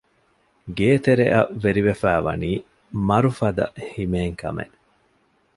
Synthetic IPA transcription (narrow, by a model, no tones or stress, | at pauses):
ɡeːt̪eɾḛʔɐʋeɾiʋefæːʋɐ̰niː | mɐɾufɐd̪ɐ̰himeːŋkɐ̰mḛ